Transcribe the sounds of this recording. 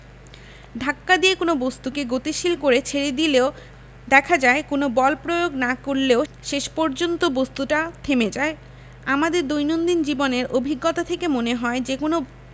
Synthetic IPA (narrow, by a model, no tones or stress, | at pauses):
ɖʱakːad̪iekonobost̪ukeɡot̪iʃilkoɾet͡ɕʰeɾed̪ileo | d̪ɛkʰad͡ʑaekonobɔlpɾojoɡnakoɾleoʃeʃpɔɾd͡ʑont̪obost̪uʈat̪ʰemed͡ʑae | amad̪eɾd̪ojnond̪ind͡ʑiboneɾʔobʱiɡːot̪at̪ʰekemoneɦɔed͡ʑekono